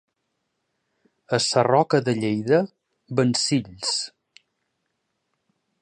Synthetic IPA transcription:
əsərɔkəðəʎejðə | bənsiʎs

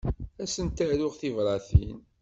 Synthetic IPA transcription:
æsənt̪aɾʊʁθivɾˤɑθin

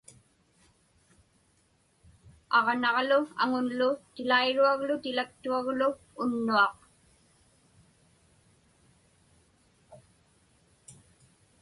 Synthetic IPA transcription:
ɑʁnɑʁlʊa̰ŋʊnlʊt̪ɪlaiɻuaɣlʊt̪ɪlak̚t̪uaɣlʊː | nːuɑq

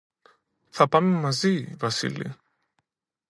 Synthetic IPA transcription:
θapamimazivasḭlḭ

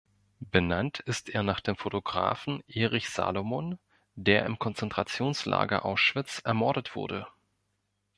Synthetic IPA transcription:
b̥ənantʰɪstʔeːɐnaːχd̥eːmfotoɡʁa̰ːfn̩ʔeːʁɪçz̥a̰ːlomon | deːɐɪ̰mkʰɔnt͡sɛntʁ̥at͡sjoːnsla̰ːɡɐ̰ʔaʊsʃv̥ɪt͡sʔɛɐmɔɐɾətv̥ʊ̰ɐdə

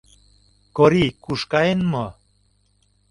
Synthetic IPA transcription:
koɾikuʃkɑenmo

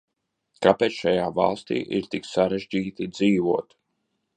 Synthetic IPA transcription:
kapeːt̪sʃajaːva̰lˠst̪ḭːʔḭɾt̪iksaɾeʒd͡ʒiːt̪id̪ziːvuɔt̪

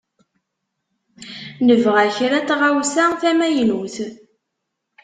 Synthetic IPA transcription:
nəvʁæçɾæt͡sːʁawsæθæmæjnuθ

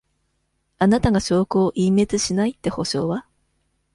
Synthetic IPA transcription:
anat̪aɡaɕo̞ːkɯoʔĩmːe̞t͡sɨɕinait̪ːe̞ho̞ɕo̞̰ːβa

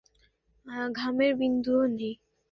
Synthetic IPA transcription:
aɡʱameɾbind̪uonej

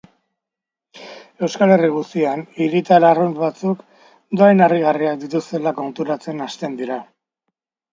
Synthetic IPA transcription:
e̞wskale̞riɣ̞ust̪ianiɾit̪alarunβat͡suk | d̪oajnariɣariak̚d̪it̪ust̪e̞lako̞nt̪uɾat͡se̞nast̪e̞nd̪iɾa

